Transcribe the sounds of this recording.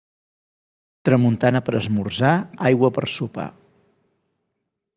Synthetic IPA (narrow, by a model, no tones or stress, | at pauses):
t̪ɾəmunt̪anəpəɾəzmurzaajɣwəpə̰rsupa̰